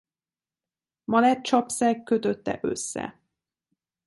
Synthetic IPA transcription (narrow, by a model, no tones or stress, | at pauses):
mɒlɛt̪t͡ʃɒpsɛkːøt̪øt̪ːɛ̰ʔø̞̰sːɛ̰